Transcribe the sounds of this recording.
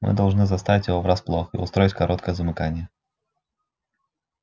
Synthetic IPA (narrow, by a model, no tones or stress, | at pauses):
mɨ̰d̪ɐlˠʐnɨzɐst̪avʲɪtʲjɪvovɾasplˠoxəḭʊ̰st̪ɾojɪtʲkɐɾɔt̪̚kəjəzəmɨkanʲɪjə